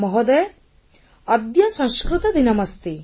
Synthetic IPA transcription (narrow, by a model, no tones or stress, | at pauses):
mɔɦɔd̪e | ɐd̪jɐsɐ̃ŋskɾut̪ɐd̪inɐmɐst̪i